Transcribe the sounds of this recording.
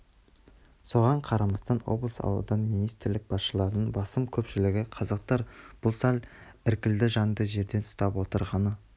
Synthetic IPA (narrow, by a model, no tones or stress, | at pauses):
so̞ʁɑɴqʰɑɾɑmɑst̪ɑnwo̞̰blˠəsɑ̰wlˠə̰d̪ɑnminijst̪ɪɾlɪk̚b̥ɑsʃəlˠɑɾnəɴbɑsəmkʲʰɵpʃɪlɪɡʲɪqʰɑzɑq̚t̪ɑɾb̥ʊlˠsɑl | ɪɾkʲɪld̪ɪʒɑnd̪əʒe̞ɾd̪e̞nʊst̪ɑpwo̞t̪əɾʁɑnə